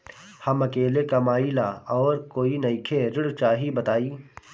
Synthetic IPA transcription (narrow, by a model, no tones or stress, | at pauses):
hɐmɐkeːlekamaːilaɔːɾkoːinɐikʰeɾɪɽt͡ʃaːɦibɐt̪aːiː